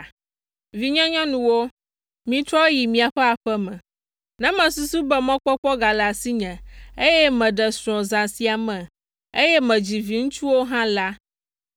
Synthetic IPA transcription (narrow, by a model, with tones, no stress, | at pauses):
vi˨ɲɔ̃˦ɲɔ̃˦nũ˨wo˦ | mĩ˨t̪ɾɔ˦ji˨mĩ˨a˨ɸɛ˦a˨ɸɛ˦mɛ̃˨ | nɛ̃˦mɛ̃˨su˦su˦bɛ˨mɔ̃˦k͡pɔ˦k͡pɔ˦ɡa˨la˨si˦ɲɛ̃˨e˦jɛ˦mɛ̃˨ɖɛ˨sɾ̃ɔ̃˨zã˨si˦a˨mɛ̃˨ | e˦jɛ˦mɛ̃˨d͡ʑi˨vi˨ŋũ˦t͡ʃu˦wo˦ɦã˦la˦